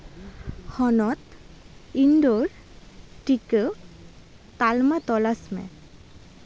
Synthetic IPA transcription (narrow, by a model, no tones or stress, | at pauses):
hɔnɔt̪ | iɳɖoɾ | ʈike | t̪almat̪ɔlasmḛ